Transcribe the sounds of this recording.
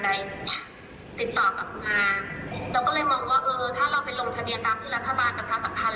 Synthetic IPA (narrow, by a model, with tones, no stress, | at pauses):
da˧j | t̪i˨˩t̪ːɔː˨˩ka˨˩pʔaː˧laː˧˩wkɔː˥˩lɤː˧jmɔː˧ŋwaː˥˩ʔɤː˧t̪ʰaː˥˩ɾa˧wpa˧jlo˧ŋt̪ʰa˧ni˧ja˧kaː˧˩pt̪ʰɯː˥˩ɾa˦˥t̪ʰːa˧baː˧na˧t̪ʰa˦˧˥pa˧t̪ʰa˧l